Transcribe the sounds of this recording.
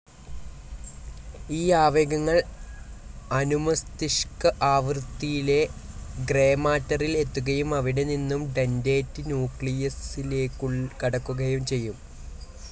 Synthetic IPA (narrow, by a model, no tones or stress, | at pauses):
iːaːʋeːɡɐŋːɐɭ | ɐnumɐst̪iʂkɐʔaːʋrt̪ːijile̞ | ɡre̞ːmaːtːɐrile̞t̪ːuɣɐjumɐʋiɽe̞ninːumɖe̞nde̞ːtːɨnjuːkɭijɐsile̞ːkːuɭkɐɽɐkːuɣɐjumt͡ɕe̞jːum